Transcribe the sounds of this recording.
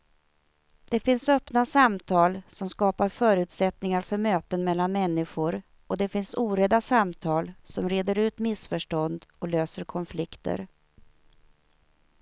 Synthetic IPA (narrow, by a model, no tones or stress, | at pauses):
d̪̥ɛfɪnsœpnasamt̪ʰɑːlsɔmskɑːpaɾfœːɾʉ̟ːt̪sɛt̪nɪŋaɾfœɾmøːt̪ənmɛlːanmɛnːɪɧʊɾ | ɔd̪ɛfɪnsuːɾɛd̪asamt̪ʰɑːlsɔmɾeːd̪əɾʉ̟ːt̪mɪsfœʂʈɔnd̪ɔløːsəɾkʰɔnflɪkt̪ʰə̰ɾ